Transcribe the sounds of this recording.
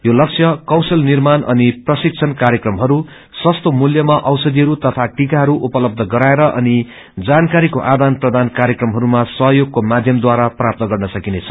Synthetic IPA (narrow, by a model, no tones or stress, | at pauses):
jolʌkt͡sʰjʌkʌwsʌlnirmanʔʌniprʌsik̚t͡sʰʌnkaɾjʌkrʌmɦʌɾu | swʌst̪omuljʌmaʔʌwsʌd̪iɦʌɾut̪ʌt̪ʰaʈikaɦʌɾuʔupʌlʌb̚d̪ʱʌɡʌɾaeɾʌʔʌni | d͡zankaɾikoʔad̪anprʌd̪ankaɾjʌkrʌmɦʌɾumasʌɦʌjoɡ̚komad̪ʱjʌmd̪waɾaprap̚t̪ʌɡʌrnʌsʌkinet͡sʰʌ̥